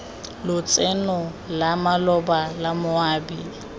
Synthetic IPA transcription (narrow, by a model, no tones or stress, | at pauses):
lʊt͡sʼenɔ | lamalɔbalamʊaːbi